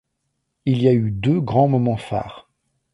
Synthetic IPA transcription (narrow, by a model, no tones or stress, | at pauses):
ilijayd̪øɡʁɑ̃mɔmɑ̃fa̰ːʁ